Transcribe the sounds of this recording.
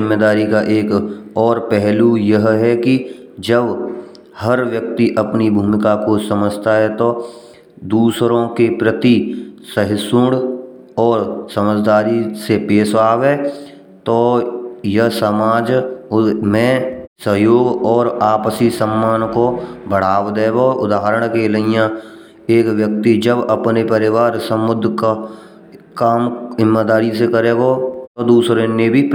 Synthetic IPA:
ɪmːed̪aːɾikaʔeːkɔːɾpɛɦlujɐɦɦɛkid͡ʒəb | həɾʋjək̚t̪iʔəpnibʱuːmɪkakosəməd͡ʒt̪aɦɛt̪o | d̪uːsɾõkepɾət̪isəɦɪsʊɽ | ɔːɾsəməd͡ʒd̪aːɾisepeːʃaːʋeː | t̪oːjəsəmaːd͡ʒ | mɛ̃səɦjoːɡɔːɾaːpsisəmːaːnkobəɽ̤aːwd̪eːɡoʊd̪aːɦəɾəɽ̃keləɪjã | eːkwjək̚t̪id͡ʒəbəpnepəɾɪʋaːɾsəmːʊd̪ʱka | kaːmɦɪmːaːd̪aːɾisekəɾeːɡot̪od̪uːsɾenːebʱi

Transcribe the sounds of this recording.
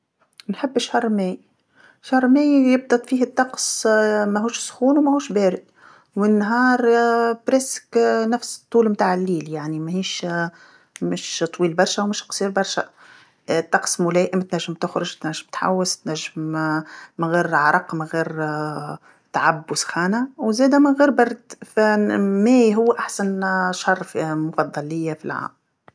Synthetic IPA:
nħɪbːɪʃːɑrˤmɛːj | ʃɑrˤmæːjjɪb̚d̪ˤɑt̪ˤfiːhɪt̪ˤːɑqsmæɦuːʃsʊ̥xuːnwmæhuːʃbɛːɾɪd̪ | wmɪnːɦɑːɾˤbɾɛsknæfst̪ˤːuːlmt̪aːʕɪlːiːljaʕnimæhiːʃ | mɪʃt̪ˤwiːlbɑɾˤʃæwmɪʃqsˤiːɾbɑɾˤʃæ | t̪ːɑqsmʊlɛːʔɪmt̪næʒːɪmt̪ʊxɾʊʒt̪næʒːɪmt̪ħa̰wːɪst̪næʒːɪm | mɪɣiːɾʕaɾˤɑqmɪɣiːɾ | t̪aʕabːwsxɑːnawzɛːd̪æmɪnɣiːɾbɑrˤd̪fæmæːjɦʊwːʔaħsanʃɑrˤːfmʊfɑd̪ˤːɑlːɪjːafilʕa̰ːm

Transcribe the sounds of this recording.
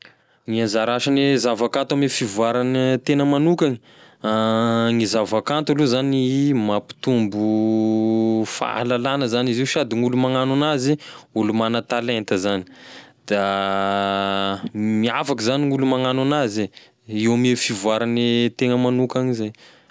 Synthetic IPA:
ŋianzaɾaʃanezavakant̪amefivuaɾant̪enəmanukaŋi̥ | aŋizavakant̪ualuzanimapi̥t̪umbu | fa̰a̰lalanəzaniziwʃad̪iŋulumaŋananaziulumanət̪alent̪əzani̥d̪̥a | miafakuzaniŋulumaŋananazi | iwamefivuaɾanet̪eŋəmanukaŋizej

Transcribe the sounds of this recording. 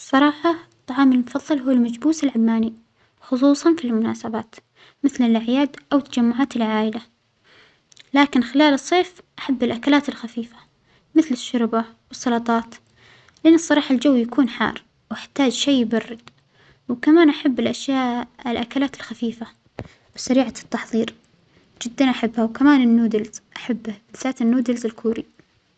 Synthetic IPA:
sˤːɑɾˤɑːħɑt̪ˤːɑʕɑːmɪlmʊfɑðˤːɨlɦuwːalmad͡ʒbuːsɪlʕamːaːni | xʊs̬ˤuːsˤɑnfilmʊna̰ːsabaːt̪ | mɪθlɪlʔaʕjaːd̪ʔawt̪ːad͡ʒamːʊʕaːt̪ɪlʕaːʔɪla | laːkɪnxɪlaːlɨsˤːeːfʔaħabːɪlʔakalaːt̪ɪlxafiːfḁ | mɪθlɪʃːʊɾbawɨsˤːɑlɑt̪ˤɑːt̪ | lɪʔanːɨsˤːɑɾˤɑːħald͡ʒawːjakuːnħɑ̰ːrˤ | wɪħt̪aːd͡ʒʃeːbarːɪd̪̥ | wkamaːnʔaħabːɪlʔaʃjaːʔʔɪlʔakalaːt̪ɪlxafiːfa | wsaɾiːʕat̪ːɑħðˤiːɾ | d͡ʒɪd̪ːanʔaħabːhawkamaːnɪnːuːd̪ɪlz̥ʔaħabːhbɪlsaːt̪ɪnːuːd̪ɪlzɪlkʰuːɾi

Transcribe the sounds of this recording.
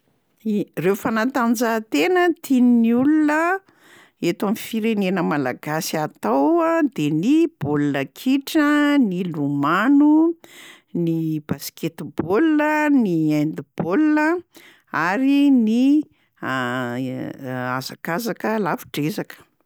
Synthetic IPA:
rewfanat̪and͡zat̪enət̪ʰininiulunə | et̪amifiɾenenəmalaɡasiat̪awad̪enib̥olunəkʰiʈ͡ʂənilumanu | nibasket̪boləniajnd̪ib̥olnə | aɾini | azakazakəlafi̥ʈ͡ʂezakə̥

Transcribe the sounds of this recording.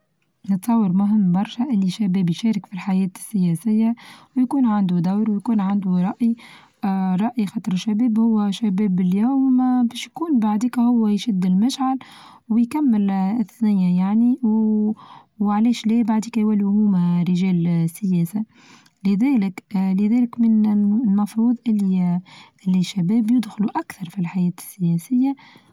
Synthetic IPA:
nət̪sˤɑwːɑɾˤmʊɦɪmːbɑɾˤʃæʔɪlːiʃːæbɛːbjʃɛːɾɪkfilħajɛːt̪sːɪjɛsɪjːawjkuːnʕand̪ud̪awɾwjkuːnʕand̪uɾˤɑʔi | ɾˤɑʔixɑt̪ˤɾɪʃːæbɛːbhʊwːæʃæbɛːbɪljuːmbɛːʃjkuːnbaʕd̪iːkhʊwːæjʃɪd̪ːɪlmaʃʕal | wjkæmːɪlɪθnɪjːajaʕni | wʕalɛːʃlɛːbaʕd̪iːkæjwælːihʊhuːmaɾɪʒɛːlsːɪjɛːsa | lɪðɛːlɪklɪðɛːlɪkmɪnlmɑfɾˤuːðˤʔɪlːiʔɪlːiʃːæbɛːbjɪd̪xʊluʔækθɑɾˤfilħajɛːt̪ɪ̥sːɪjɛːsɪjːa

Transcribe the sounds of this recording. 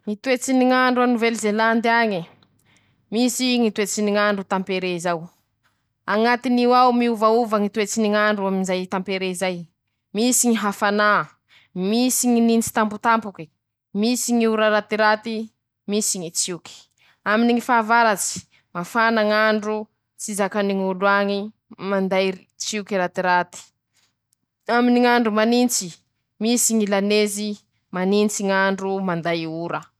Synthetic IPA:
ŋit̪uet͡siniŋaɳɖ͡ʐuanuvelizeland̪iaɲi | misiŋit̪uet͡siniŋaɳɖ͡ʐut̪ampeɾeizaw | aŋat̪iniwawmiuvauvaŋit̪uet͡siniŋaɳɖ͡ʐuaminzajt̪ampeɾeizaj | misiŋiɦafana | misiɲinint͡si̥t̪ambut̪ampuki | misiɲiuɾaɾat̪iɾat̪i | misiɲit͡siuki̥ | aminiŋifaːvaɾat͡si̥ | mafanaŋaɳɖ͡ʐu | t͡sizakaniŋuluaŋi | mand̪aj | t͡siukiɾat̪iɾat̪i̥ | aminiŋaɳɖ͡ʐumanint͡si | misiŋilanezi | manint͡siŋaɳɖ͡ʐumand̪ajuɾə

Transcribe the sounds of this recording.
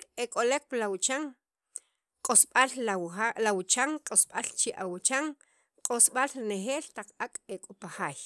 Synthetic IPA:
ekʼolek̚pilawt͡ʃaŋ | qʼosɓalalawut͡ʃaŋqʼosɓalt͡ʃiʔawut͡ʃaŋ | qʼosɓalɾineχeːlt̪aq͡χakʼekʼopaχaːj

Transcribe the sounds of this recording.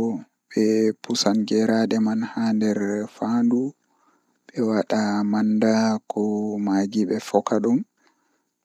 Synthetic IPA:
ɔ | ɓɛpusanɡɛɾaɗɛmanhaːndɛɾfandu | ɓɛwaɗamanːdakʰɔmaɡiɓɛfɔkaɗum

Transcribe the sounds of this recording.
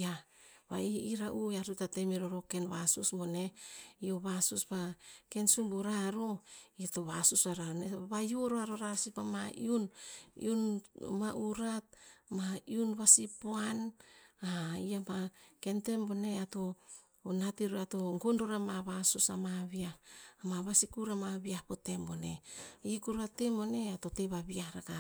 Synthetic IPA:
a | βaiiɾaʔuaɾutatemiɾoɾokenβasusmone̞ioβasusbake̞nsumbuɾaːɾoiatoβasusaɾaneβajuɾoaɾo̞ɾasipamaḭunḭunmaʔuɾat̚maiunβasipoanaiamake̞nte̞mbone̞ato̞ | natiɾoatoŋɡonɾoɾamaβasusamaβiahamaβasikuɾamaβiahpotembone̞̰ikuɾatemone̞ato̞teβaβiaɾaka

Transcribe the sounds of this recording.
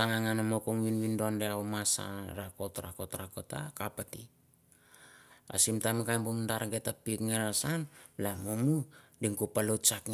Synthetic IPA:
taŋaŋanamokoŋwinwindoandeawmasa̰ɾakotɾa̰kotɾakota̰kapati | a̰simtamkajmbomundaɾaŋɡetapikŋeɾasanlamomudiŋkupalott͡ʃakŋe

